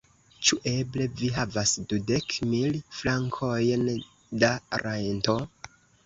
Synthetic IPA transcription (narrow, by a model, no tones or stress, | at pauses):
t͡ʃuʔe̞ble̞viɦavasdude̞kmilflaŋkʰo̞jn | daɾajnto̞